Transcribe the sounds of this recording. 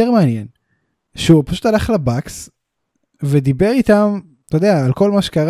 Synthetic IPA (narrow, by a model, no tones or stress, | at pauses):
eʁmeanjen | ʃeupaʃut̪alaχlabaks | ved̪ibe̞ʁit̪am | t̪od̪eaːlko̞lmaʃe̥kaʁ